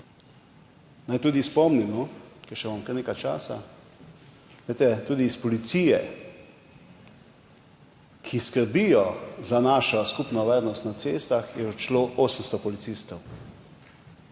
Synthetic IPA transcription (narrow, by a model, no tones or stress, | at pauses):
najt̪uːd̪ispɔmnimɔkɛʃɛʋamkəɾneːkajt͡ʃa̰ːsa̰ | ɡlajt̪ɛt̪uːd̪iːspɔlit̪sijɛ̰ | kʰiskəɾbijɔzanaːʃɔskupnɔʋaːɾnɔst̪nat̪seːst̪axjɛɔt͡ʃloʔoːsənst̪ɔpɔlit̪sist̪ɔw